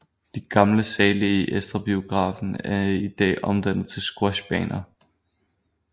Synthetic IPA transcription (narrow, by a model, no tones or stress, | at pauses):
d̥iɡ̥ɑ̈mləsɛːləiʔesd̥ʁɑb̥io̝ɡ̥ʁɑ̰̈ːfn̩æɐid̥ɛ̰ːʔɒ̽md̥æn̰ð̩ˠt͡sʰe̝lsɡ̥ʁɔɕb̥ɛ̰ːnɐ